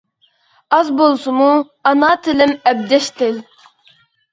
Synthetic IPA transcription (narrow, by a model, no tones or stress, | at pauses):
ɑzbolˠsɨmu | ɑnɑːt̪ʰɪlɪmɛb̚d̪ɛʃt̪ʰɪl